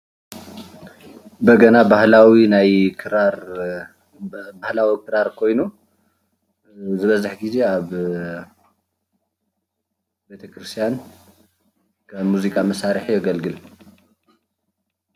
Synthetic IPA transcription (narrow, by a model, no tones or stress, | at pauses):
bɐɡɐnabahlawinajkʰɨɾaɾ | bahlawikʰɨɾaɾkʰo̞jnu | zɨβɐzaħɡize̞aβ | be̞t̪ʰɐkʰɾɨst̪ʰijan | kʰɐːuzikʼamɐsaɾħjɛɡɐlɡɨl